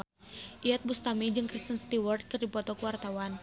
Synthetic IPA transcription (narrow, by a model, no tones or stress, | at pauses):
ʔiat̪̚bust̪amid͡ʒɨŋkɾist̪ənst̪iwart̪̚kɨrdipɔt̪ɔkəwart̪awan